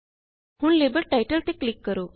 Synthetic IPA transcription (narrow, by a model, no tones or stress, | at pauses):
huːɳlebəɾʈajʈəlt̪eklikːəɾo